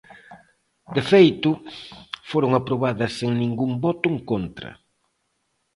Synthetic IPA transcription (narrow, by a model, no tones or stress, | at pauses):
d̪efejt̪ʊ | foɾʊŋapɾoβaðɐsːeŋnĩŋɡuŋbɔt̪ʊŋkont̪ɾɐ̰